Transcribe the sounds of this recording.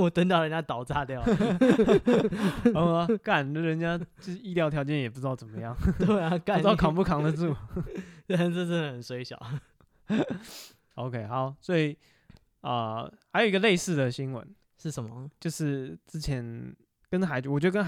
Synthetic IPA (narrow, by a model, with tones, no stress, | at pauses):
wɔ˨˩t̪ə˥nt̪̬ɑ˥˩ʊɻə˧˦nt͡ɕja˥t̪ɑ˨˩ʊt͡sa˥˧t̪jɑ˥˨ʊ˧˩˧ | ka˥˩n˨ə˨ɻə˧˦nt͡ɕja˦t͡ɕi˥˧ljɑ˥˩ʊt̪ʰjɑ˧˥ʊt͡ɕjɛ˥˩njɛ˨˩p̬u˧ʈ͡ʂɻ̩˥t̪ɑ˥˩ʊt͡sə˨˩mə˦jɑ˥˩ŋt̪e˥˩a˨a˥˧˥ɑ˥˩kʰɑ˨˩ŋpu˥˩kʰɑ˧˥ŋd̪ə˨t͡su˥˩t̪a˥˧n̩˥˧ə˥˧ʈ͡ʂə˥nd̪ə˨˩xə˨˩nswe˧˥ɪɕjɑ̰˨˩˦ʊ | o˧ʊkʰe˧˥ɪxɑ˧˦ʊswɔ˧˥i˨˩ | ə̰˨xa˧ɪjo˨˩i˦ɡə˧le˥˧ɪsɹ̩˥˩d̪ə˩ɕi˦˥nwə̰˧˦n | ʂɻ̩˥˩ʂə˨˦nmə˧t͡ɕjo˥˧ʊʂɻ̩˥˩ʈ͡ʂɻ̩˥t͡ɕʰjɛ˧˦n | kə˦nxa˧˥ɪwɔ˨˩t͡ɕɥd̪ə˧kə˥